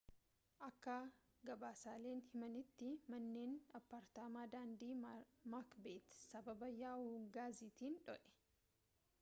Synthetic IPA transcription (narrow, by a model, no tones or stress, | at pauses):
ʔɐkːa | ɡɐbaːsaːle̞ːnhɪmɐnɪt̪ːɪmɐnːe̞ːnɐpːaːɾt̪aːmaːd̪aːnd̪iːmaːkbeːt̪sɐbɐbɐjaːuːɡaːzit̪iːnᶑɔ̰ʔɛ̥